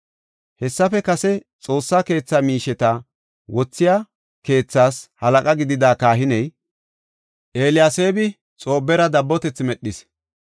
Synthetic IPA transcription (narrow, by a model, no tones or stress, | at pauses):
hɛsːɐfɛkɐsɛt͡sʼo̞ːsːake̞ːt͡sːamiːʃɛt̪ɐ | wɔt͡sːɪja | ke̞ːt͡sːaːshɐlɐkʼɐɡɪd̪ɪd̪aːkaːɦɪnɛj | ʔe̞ːlɪjaːseːbɪ | t͡sʼo̞ːbːɛɾɐd̪ɐbːɔt̪ɛt͡sːmɛɗːɪs